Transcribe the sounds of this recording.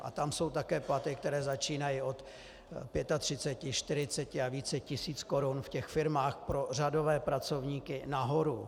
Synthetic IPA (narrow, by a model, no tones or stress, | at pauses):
ʔa̰t̪amso̞wt̪akɛːplat̪ɪk̚t̪ɛɾɛːzat͡ʃiːnajɪʔo̞t̪ | pjɛt̪at̪r̝̥ɪt͡sɛcɪʃt̪ɪɾɪt͡sɛcɪaviːt͡sɛcɪsiːt͡sko̞ɾunfcɛxfɪɾmaːxpɾo̞rado̞vɛːpɾat͡so̞vɲiːkɪnaɦo̞ɾu